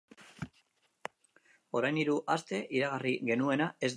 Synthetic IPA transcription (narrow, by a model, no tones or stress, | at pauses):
o̞ɾajniɾuʔast̪e̞ʔiɾaɣariɣe̞nue̞nae̞z